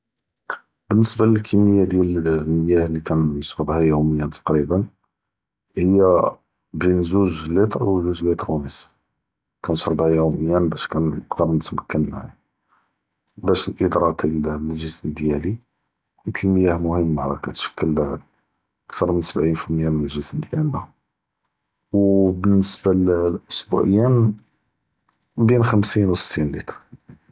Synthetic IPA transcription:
b̥ənːəsbaləlkʰimːəjːad̪jælməjæhlikænjəʃɾˤəbhæjuməjænt̪ʰɑ̥qɾibən | həjːæ | binzuʒlːit̪ˤɾˤwzuʒlit̪ˤɾwnis | kænʃɾˤbhæjuməjænbæʃkænəqd̪əɾˤnət̪məkːənma̰ʕ | bæʃəlʔəd̪ɾˤɑt̪ʰilʒəsnd̪jæli | mət̪ʰəlməjæhmʊhəmːmaʕɾˤɑkæt̪ʃə̥kːəl | ʔəkt̪ɑɾˤmənsəbʕinfəlməjæmənəlʒəsnəd̪jælːæ | wbənːəsbalʔʊsbṵʕəjːæn | binxəmsinwsə̥t̪ʰːinlit̪ˤɾˤ

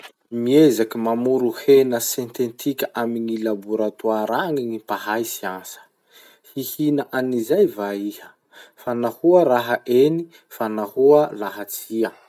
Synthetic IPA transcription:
miezakimamuɾuhenəsẽnt̪ent̪ʰikʲəʔamiŋilabuɾat̪uaɾaŋiŋipaɦajsiansə̥ | hihinaʔanizajvaihə̥ | fanahuəɾaɦaʔeni | fanahuəlaɦat͡siə

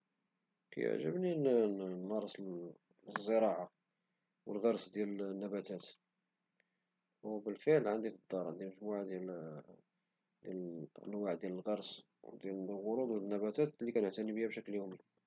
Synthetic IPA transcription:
kæ̰jə̰ʕʒə̰bninnːɑɾˤsl | zːəɾɑʕa | wəlɣɑɾˤsd̪jælənːæbæt̪æt̪ | wbəlfəʕlʕənd̪ifəd̪ːɑɾˤʕənd̪iməʒmuʕad̪jæl | d̪jælʔə̰nwaʕd̪jæləlɣɑɾˤs | d̪jællɣʊɾud̪ˤwnːæbæt̪æt̪likænəʕt̪ænibəhæbʃækljumi

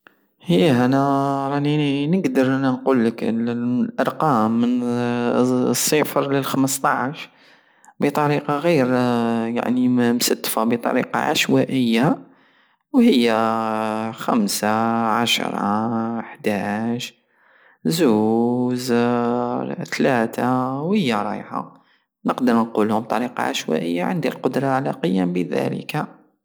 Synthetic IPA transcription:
həjːæʔænæɾˤɑninəɡd̪əɾˤʔænːænqulːəkllʔɑɾˤqɑmːən | sˤːəfɾləlxəməst̪ˤɑʕʃ | bət̪ˤɑɾiqɑɣiɾja̰ʕnimsæd̪ːfabət̪ˤɑ̰ɾḭqɑ̰ʕa̰ʃwæʔəjːa | whəjːæ | xæmsaʕaʃɾˤɑ̰ħd̪æʒ | zuz | t̪læt̪ʰawhəjːæɾˤɑ̰jħa̰ | nəqd̪əɾnqulhʊmb̚t̪ˤɑɾiqɑ̰ʕaʃwæ̰ʔəjːaʕənd̪ilqʊd̪ɾˤɑʕlæqəjːæmbəðæ̰lə̰ka

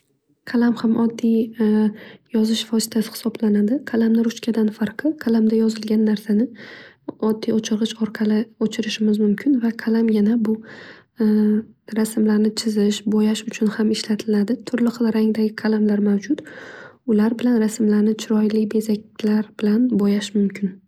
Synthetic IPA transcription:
qʰalamhamɒd̪ːij | jɒzɪʃfɒsɪ̥t̪ʰasɪ̥hɪ̥sɒblanad̪ɪqʰalamnɪɾʊt͡ʃkʲʰad̪anfaɾqʰɨqʰalamd̪ajɒzɪlɡʲanːaɾsanɪ | ɒd̪ːijot͡ʃʰɪɾʁɨʃɒɾqʰɑlɪot͡ʃʰɪɾɪʃɪmɪzmʊmkʲʰɪnvaqʰalamjanabʊ | ɾasmlaɾnɪt͡ʃʰɪzɪʃbɒjaʃʊt͡ʃʰʊnhamɪʃlat̪ʰɪlad̪ɪt̪ʰʊɾlɪχɨlˠɾaŋd̪aɡʲɪqʰalamlaɾmawd͡ʒʊt̪ʊlaɾbɪlanɾasmlaɾnɪt͡ʃʰɪɾɒjlɪbe̞zak̚ʲlaɾbɪlanbojaʃmʊmkʲʰɪn

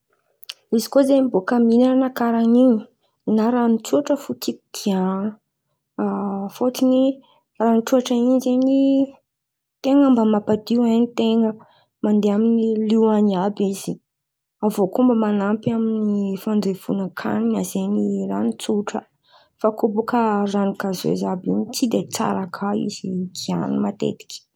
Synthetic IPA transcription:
izikozemibokəminaanakaɾaniɲi̥ | naɾanit͡suaʈ͡ʂəfut̪iki̥d̪̥ia | fot̪ini | raniʈ͡ʂuaʈ͡ʂəind͡ʒeni | t̪eŋəmbəmapad̪iwanit̪eŋə | mand̪eaminiliwaniabiz̥i | avokumbəmanampiaminifand͡zev̥unəkʰa̰ninazeniranit͡suʈ͡ʂə | fakobukəranikazḛzabiɲit͡sid̪et͡sa̰ɾakʰaḭz̥iɡia̰nimat̪ḛt̪i̥kʲi̥

